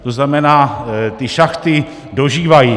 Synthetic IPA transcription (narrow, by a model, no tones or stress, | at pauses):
t̪oznamɛnaːt̪ɪʃaxt̪ɪ | do̞ʒiːvajiː